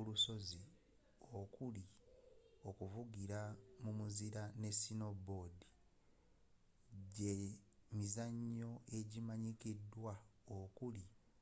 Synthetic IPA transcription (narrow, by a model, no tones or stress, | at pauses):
uluso̞zi | o̞kuli | o̞kuvuɡiɾamumuziɾane̞sino̞bo̞di | ɟemizaɲːo̞e̞ɟimaɲikidwaokuli